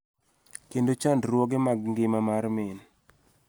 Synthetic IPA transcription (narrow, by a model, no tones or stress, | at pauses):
kendot͡ʃandrwɔɡɪmaɡŋɡɪmamarmɪn